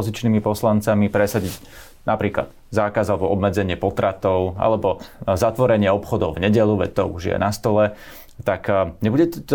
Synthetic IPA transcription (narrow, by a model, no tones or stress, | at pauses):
ɔzit͡ʃniːmipɔslant͡samipɾɛsaɟiɟ | nʔapɾiːkla̰d̪ | zaːkazalɛbɔɔbmɛd͡zɛɲɪɛpɔt̪ɾat̪ɔʊa̰lɛbɔzat̪ʋɔɾɛɲɪɛɔpxɔd̪ɔʊvɲɛɟɛʎuʋɛ̰c̚t̪ɔuʒɪjɛ̰nast̪ɔlɛ | t̪akɲɛbuɟɛt̪ɔt̪